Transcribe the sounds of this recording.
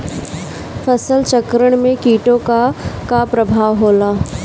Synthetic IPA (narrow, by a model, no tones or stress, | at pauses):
fəsəlt͡ʃəkɾəɽ̃mẽkiːʈõkakapɾɐbʱaːʋɦoːlaː